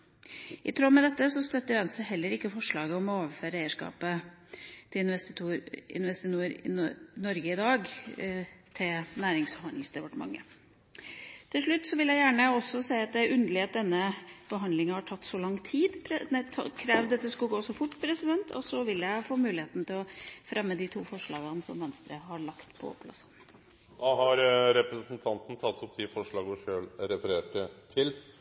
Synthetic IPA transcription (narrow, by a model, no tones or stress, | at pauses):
ʔɪ̰t̪ʰɾɔmɛd̪ɛt̪ːəsɔst̪œt̪ːəʋɛnsəɦɛlːəɾɪkːəfɔʂɭɑːɡəɔmɔoːʋəɾføːɾəæɪəʂkɑ̰ːpə | t̪ʰɪlɪnʋɛsɪɪ̰nʋɛst̪ɪnuəɾɪ̰nɔɾɡəɪd̪ɑːɡ | t̪ʰɪlnæːɾɪŋshɑnd̪ɪŋsd̪ɛpɑʈəmɑ̰ŋːə̰ | t̪ʰɪlʂɭʉt̪ːsɔʋɪljæɪjæːɳəɔsːɔsæɪɑt̪̚d̪ɛæɾʔʉnd̪əlɪɑt̪̚d̪ɛnːəb̥əɦɑnd̪lɪŋɑhɑʈʰɑt̪ːsɔlɑŋt̪ʰiːd̪pʰd̪ɛt̪ʰkʰɾɛːʋd̪ɛt̪ːəskʉɡoːsɔfʊʈːpʰɾɛsɪd̪ɛnt̪ʰɔ̰sɔʋɪljæɪfoːmʉːlɪeːt̪n̩t̪ɪlɔfɾɛmːəd̪ɪt̪ʰuːfɔʂɭɑ̰ːɡənəsɔ̰mʋɛnst̪ɾəhɑɾɭɑkt̪pʰɔ̰pʰːlɑ̰sən | d̪ɑhɑɾɾɛpɾəsn̩t̪ʰɑnt̪n̩t̪ʰɑt̪ːɔp̚d̪ɪfɔʂɭɑːɡɔʂøːlɾɛfəɾeːʈət̪ʰɪl